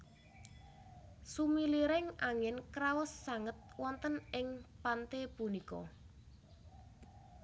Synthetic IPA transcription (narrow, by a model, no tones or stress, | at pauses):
sumiliɾɪŋaŋɪnkɾawʊsːaŋət̪̚wɔnt̪ənɪŋpant̪epunikɔ̰